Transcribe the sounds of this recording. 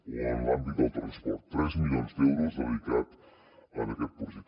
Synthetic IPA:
ənland̪id̪əlˠt̪ɾənspɔɾt̪ːɾɛzmilionzd̪ɛwɾuzəβikat̪ | ənəkɛt̪̚puzit̪

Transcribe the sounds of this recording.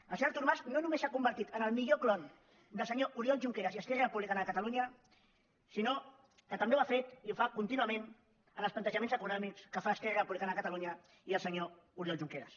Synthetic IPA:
əlˠsəɲoɾt̪uɾmaznonumesakumbəɾt̪it̪ənəlˠmiʎoklɔn | d̪əlˠsəɲoʔuɾjɔlʒuŋkeɾəsiəskɛaɾəpuβlikanakət̪əluɲə | sino | kət̪əmbewafet̪iufakunt̪inuəmẽn | ənəlˠsplənt̪əʒəmensəkunɔmikskəfaːskɛʒaɾəpuβlikanakət̪əluɲə | iəlˠsəɲo | uɾjɔlʒuŋkeɾə̰s

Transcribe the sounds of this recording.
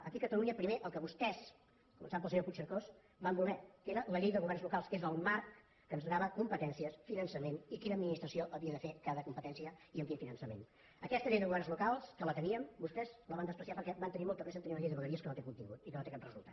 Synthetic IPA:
əkiəkət̪əluɲəpɾimeʔəlˠkəβust̪ɛs | kumə̰nsaβmpəlˠsəɲoput͡ʃəɾkos | bambulˠɛkeɾələʎejðəɣuβɛrnzlukalˠskezəlˠmaɾkː | ənzðɾaβəkumpət̪ɛnsiəsfinənsəmenikinəːd̪minist̪ɾəsioʔəβiəðəfekaðəkumpət̪ɛnsiəiəŋkinfinənsəmḛn | əkɛst̪əʎejðəɣuβɛrnzlukalˠskələt̪əniəmbust̪ɛzləβand̪əspɾəsiapəɾkɛbant̪ənimɔlˠt̪ərɾes̬əmt̪niunəʎejðəβəɣəɾiəskənot̪ekunt̪ḭŋɡut̪ikənot̪ekatrəzulˠt̪a

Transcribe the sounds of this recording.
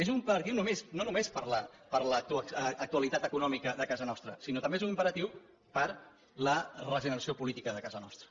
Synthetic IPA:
ezumpəɾɐt̪iwnumesnonumespəɾləpəɾlət̪uːk̚t̪uəlit̪at̪əkunɔmikəðəkazənɔst̪ɾəsinot̪ɐmbezunimpəɾət̪iw | pəɾ | lərəʒənəɾəsiopulit̪ikəðəkazənɔ̰st̪ɾə

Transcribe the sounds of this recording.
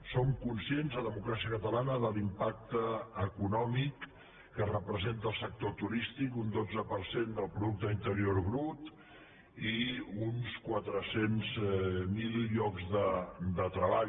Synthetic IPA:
soŋkunsienzðəðəmukɾasiəkət̪əlanəðəlimpak̚t̪əːkunɔmikː | ərəpɾəzent̪əlˠsək̚t̪ot̪uɾist̪ikund̪od͡zəpəɾsend̪əlˠpɾuðuk̚t̪əint̪əɾioɾɣɾut̪ | iunskwat̪ɾəsenzmilʎɔkzðəd̪ət̪ɾəβaʎ

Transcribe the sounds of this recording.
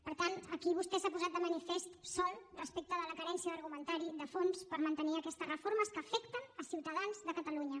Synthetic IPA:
pəɾt̪ant̪əkiβ̞ust̪ɛsapuzat̪̚d̪əmənifest̪sɔlˠrəspek̚t̪əðələkəɾɛnsjəðəɾɣumənt̪aɾiðəfonspəɾmənt̪əniəkɛst̪əzrəfoɾməskəfɛkt̪ənəsiwt̪əðanzðəkət̪əluɲə

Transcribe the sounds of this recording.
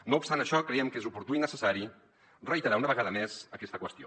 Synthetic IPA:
noupst̪anəʃɔkɾɛɛmkezupuɾt̪uinəsəsaɾi | rəit̪əɾaunəβəɣaðəmezəkɛst̪əkwəst̪io

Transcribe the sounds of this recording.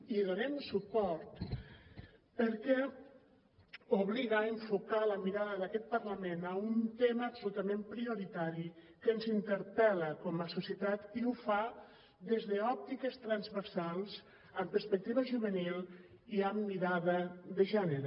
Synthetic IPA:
iðonɛmsupɔɾt̪ | pəɾkɛ | uβliɣaeɱfukaləmiɾaðəðakɛt̪̚pərləmenəunt̪eməːpsulut̪əmempɾioɾit̪aɾi | kənzint̪əɾpɛləkɔməsusiət̪at̪iufa | ðezðəɔp̚t̪ikəst̪ɾanzβəɾsalˠz | əmpəɾspək̚t̪iβəʒuβənil | iəmːiɾaðəðəʒɛnəɾe

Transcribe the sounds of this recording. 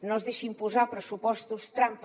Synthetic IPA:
nõzðeʃimpuzapɾəsupɔst̪ust̪ɾamp

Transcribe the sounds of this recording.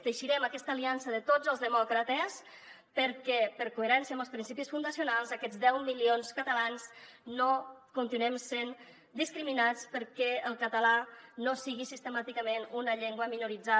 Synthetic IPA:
t̪əʃiɾɛməkɛst̪əːliansəðət̪od͡zəlˠzðəmɔkɾət̪əs | pəɾkɛpəɾkueɾɛnsjiəmbəlspɾinsipisfund̪əsiunalˠzəkɛd͡zd̪ɛwmilionskət̪əlansnokunt̪inuɛmsen | d̪iskɾiminat͡spəɾkɛəlˠkət̪əlanosiɣisist̪əmat̪ikəmenunəʎɛŋɡwəminuɾid͡za

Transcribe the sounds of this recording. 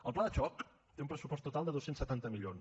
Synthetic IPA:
əlˠplaðət͡ʃɔk | t̪eũmpɾəsupɔst̪ːut̪alˠd̪əðosensət̪ant̪əmiʎon

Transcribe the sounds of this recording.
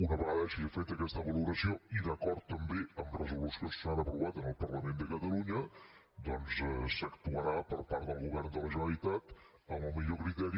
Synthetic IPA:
unəβəɣaðəʃiʒəfet̪əkɛst̪əβəluɾəsioiðəkɔɾt̪ːəmbeəmrəzulusiossanəpɾuβat̪ənəlˠpərləmend̪əkət̪əluɲə | d̪ɔnsɛsəkt̪uəɾapəɾpaɾt̪d̪əlˠɣuβɛrnd̪ələʒunəlit̪at̪ | əməlˠmiʎokɾit̪ɛɾ

